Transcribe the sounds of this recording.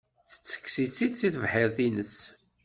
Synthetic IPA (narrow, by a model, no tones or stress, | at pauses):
θə̥t͡sːə̥kːsit͡sːisiθəvħəɾθinəs